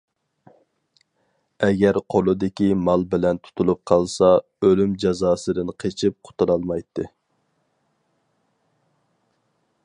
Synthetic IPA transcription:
ɛɡʲɛɾqʰolˠɨd̪ɪkʲimɑlˠbɪlɛnt̪ʰu̥t̪ʰulˠup̚qʰɑlˠsɑ | ølymd͡ʒɑzɑːsɨd̪ɨnqʰet͡ʃʰɪp̚qʰʊ̥t̪ʰuɾɑlˠmɑjt̪ʰːɨ

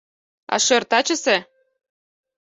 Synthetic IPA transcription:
ɑ̰ʃørt̪ɑt͡ɕə̆sĕ

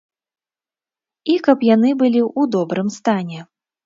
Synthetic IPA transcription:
ikɐpjanɨbɨlʲiʔud̪ɔbɾɨmst̪anʲɛ

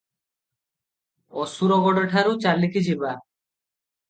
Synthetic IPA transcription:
ɔsuɾɔɡɔɖeʈʰaɾut͡ʃalikid͡ʑʰiba

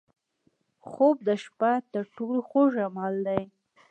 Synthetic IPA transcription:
xob̚d̪əʃpat̪əɾʈoloxoʒamɑld̪aj

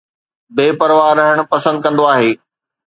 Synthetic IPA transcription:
beːpɐɾʋaːɾɐɦəɽ̃ʊ̆pɐsə̃nd̪̚kɐ̃nd̪oaːɦeː

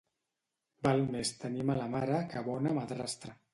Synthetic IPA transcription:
balmest̪ənimalamaɾakaβɔnamaðɾast̪ɾa

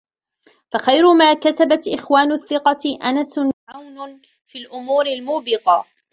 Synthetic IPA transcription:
faxajɾʊmaːkasabat̪ʔɪxwaːnʊθːɪqɑʔanasʕawn | fiːlʔʊmuːɾɪlmuːbɪqɑ

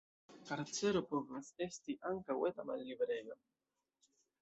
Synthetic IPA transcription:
kaɾt͡seɾopovasest̪iʔaŋkawet̪amalːibɾejo

